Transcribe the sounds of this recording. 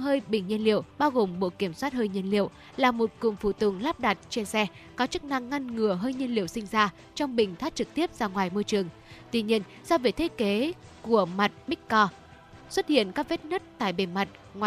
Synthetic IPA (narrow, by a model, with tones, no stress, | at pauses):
həː˧jɓï˨˩ŋ̟ɲə˧nlḭ˧˨əwɓaː˧wɣo˨˩mɓo̰˧˨ki˧˩əmswaː˦˥t̚həː˧jɲə˧ənlḭ˧˨əw | laː˨˩mo˨˩t̚ku˨˩ŋfu˧˩t̪ɨ˨˩ŋlaː˦˥p̚ɗa˨˩t̚t͡ɕe˧nsɛ˧ | kɔ˨˦t͡ɕɨ˦˥k̚na˧ŋːa˧nŋɨ˨˩əɦəː˧jɲə˧nlḭ˨˧˨əwsï˧ŋ̟zaː˧ | t͡ɕɔ˧wŋ͡mɓï˨˩ŋ̟t̪ʰaː˦˥t̚t͡ɕɨ˨˩k̚t̪i˦˥əp̚zaː˧ŋwaː˨˩jmo˧jt͡ɕɨ˨˩əŋ | t̪wi˧ɲi˧ən | sɔ˧veː˨˦t̪ʰe˨˦ke˨˦ku˧˩əma˨˩t̚ɓï˦˥k̚kɔ˧ | swə˦˥t̚hḭ˧˨ənkaː˦˥k̚ve˦˥t̚nə˦˥t̚t̪a̰ː˧˨jɓe˧˩nma˨˩t̚ | ŋwa˨